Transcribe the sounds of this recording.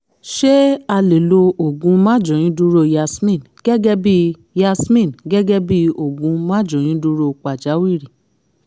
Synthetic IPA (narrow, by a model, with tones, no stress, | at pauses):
ʃe˦a˧le˨lo˧o˨ɡũ˨˧mã˦˨d͡ʒɔ̃˨ĩ˨˦du˦ɾo˧ja˧smĩ˦˨n | ɡ̥ɛ˦ɡɛ˦bi˦ | ja˧smĩ˦˨nɡɛ˦ɡɛ˦bi˦o˨ɡũ˧mã˦d͡ʒɔ̃˨j̃ĩ˨˦du˦ɾo˧˨k͡pa˨d͡ʒa˨˦wi˦˨ɾi˨